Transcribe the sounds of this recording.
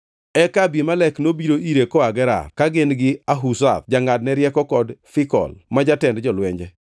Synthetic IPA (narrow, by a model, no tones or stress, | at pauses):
ɛkabimalɛknobiɾoʔiɾekɔaɡɛɾa̰rkaɡɪnɡɪaɦusa̰t̪d͡ʒaŋadnɛɾjɛkɔkɔdfɪkɔ̰lmad͡ʒatɛndd͡ʒɔlwɛɲd͡ʒɛ